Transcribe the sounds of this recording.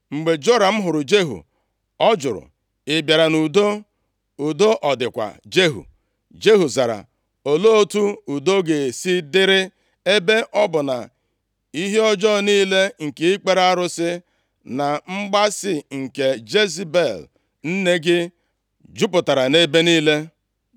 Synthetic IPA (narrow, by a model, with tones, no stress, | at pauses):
ŋ͡m̩˨ɡ͡be˨d͡ʒo˦ɾa˨m̩˦ɦʊ˨ɾʊ˨d͡ʒe˦ɦṵ˨ | ɔ˦d͡ʒʊ˨ɾʊ̰˨ | ɪ˨bja˨ɾa˨nu˨do˦ | u˨do˦ʔɔ˨dɪ˨kʷa̰˨d͡ʒe˦ɦṵ˨ | d͡ʒe˦ɦu˨za˨ɾa̰˨ | o˨lo˦o˦tu˦u˨do˦ɡe˨si˦dɪ˦ɾɪ˦ | e˦be˦ʔɔ˦bʊ˨na̰˨ | i˦ɦe˦ɔ˦d͡ʒɔ˦˨niː˦le˦ŋ̩˨ke˨ɪ˦k͡pe˦ɾa˦ɾʊ˦sɪ˦ | na˨ŋ͡m̩˦ɡ͡ba˦sɪ˦ŋ̩˨ke˨d͡ʒe˦zi˦be˨l | n̩˦ne˦ɡɪ˦ | d͡ʒʊ˦pʊ˨ta˨ɾa˨ne˦be˦niː˦le˦